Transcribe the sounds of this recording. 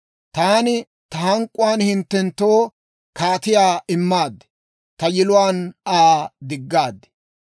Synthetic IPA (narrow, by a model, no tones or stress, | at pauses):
t̪aːnɪ | t̪ɐhɐŋkʼːʊwaːnhɪnt̪ːɛnt̪ːoː | kaːt̪ɪjaːɪmːaːd̪ːɛ̥ | t̪ɐjɪlʊwaːnaːd̪ɪɡːaːd̪ːɛ̥